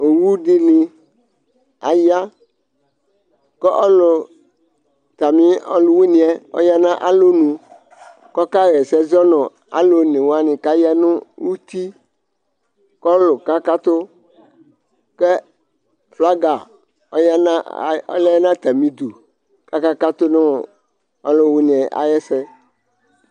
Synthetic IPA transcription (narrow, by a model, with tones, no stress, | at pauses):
o˨wu˦di˦nĩ˨ | a˨ja˦ | kɔ˦ʔɔ˦lo˨ | t̪a˨mĩ˦ɔ˦lu˨we˦nĩ˨ɛ˦o̰˦ja˦nã˦ʔa˨lo˦nũ˨ | kɔ˦ka˦ɣɛ˨sɛ˦zɔ˦nɔ̃˨ | a̰˨lo˦nĩ˨wa˦nɪ̃˨ka˦ja˦nʊ̃˦wu˦t̪i˦ | kɔ˦lo˨ka˦ka˦t̪o˦ | kɛ˦ | fla˦ɡa˨ | o˦ja˦nã˦˨ɔ̰˦lɛ˦ɛ˦nã˦t̪a˨mĩ˨d̪u˨ | ka˦ka˦ka˦t̪o˦nẽ˦wo˨ | ɔ˦lo˦wu˦nĩ˨ɛ˨ʔa̰˨jɛ˦sɛ˦